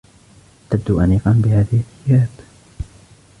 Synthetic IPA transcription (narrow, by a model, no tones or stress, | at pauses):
t̪ab̚d̪uʔaniːqɑnbɪhaːðɪhɪθɪjaːb